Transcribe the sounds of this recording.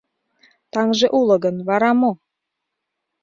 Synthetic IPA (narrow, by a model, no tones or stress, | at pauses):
t̪ɑŋʒeʔulɤ̆ɡə̆nβɑɾɑmo